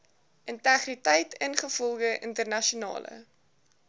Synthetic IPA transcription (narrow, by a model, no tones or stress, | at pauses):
ʔəntæχritɛjtʰənχəfɔlˠɡəʔəntərnɐʃiunɑ̰ːlə̰